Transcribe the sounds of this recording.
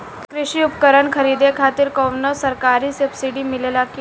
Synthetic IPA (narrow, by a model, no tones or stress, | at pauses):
kɾɪɕiːupkəɾəɳkʰəɾiːd̪ekʰat̪iɾkəʋnəʋsəɾkaɾiːsəpsiɽiːmilelaki